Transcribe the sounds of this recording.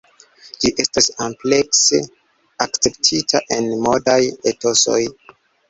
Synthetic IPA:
d͡ʒiʔe̞stasomplekse | akt͡se̞ptʰitʰaʔe̞nmo̞dajeto̞so̞̰j

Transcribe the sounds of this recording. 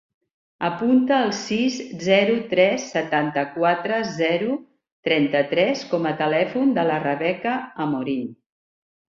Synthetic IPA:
əpunt̪əːlˠsizzɛɾut̪ɾɛsːət̪ant̪əkwat̪ɾəzɛɾu | t̪ɾɛnt̪ət̪ɾɛskɔmət̪əlɛfund̪ələrəβɛkəːmoɾin

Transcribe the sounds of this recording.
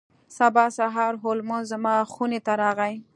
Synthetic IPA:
sabɑsaɦɑɾɦʊlmʊzamɑxunet̪aɾɑɣaj

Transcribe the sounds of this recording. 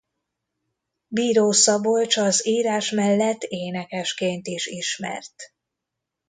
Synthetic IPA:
biːɾoːsɒbolt͡ʃɒziːɾaːʃmɛlːɛt̪ːeːnɛkɛʃkeːnt̪iʃiʃmɛ̰rt̪

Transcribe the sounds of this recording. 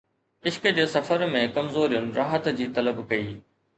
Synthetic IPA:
ɪʃkd͡ʑeːsɐfəɾmẽkɐmzoːɾijʊnɪ̆ɾaːɦət̪d͡ʑiːt̪ɐləbkɐiː

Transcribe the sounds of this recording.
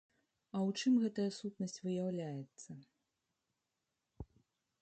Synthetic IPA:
ɐwt͡ʂɨmɣɛt̪ɐjɐsut̪nɐsʲt͡sʲvɨjawlʲajɛt̪sːɐ

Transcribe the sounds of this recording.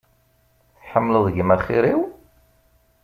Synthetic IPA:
θħəmːləðˤəʝmæχɪɾiw

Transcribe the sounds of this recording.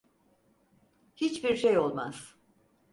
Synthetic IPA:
hit͡ʃbiɾʃejo̞lˠma̰z̥

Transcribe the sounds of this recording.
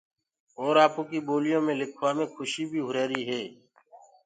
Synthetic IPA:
ɔːɾaːpõːkiːboːlɪjõːmẽːlɪkʰʋaːmẽːkʰʊʃiːbʱiːɦʊɾeːɾiːɦɛː

